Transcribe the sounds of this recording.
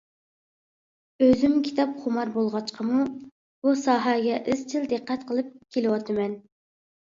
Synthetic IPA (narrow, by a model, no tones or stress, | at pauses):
øzymkʲʰi̥t̪ʰɑpχʊmɑɾbolˠʁɑt͡ʃqʰəmu | b̥usɑːɦɑɡʲɛʔɪzt͡ʃʰɪld̪ɨqːɛt̪qʰəlˠɨp̚kʲʰelɪwɑt̪ʰɨmɛn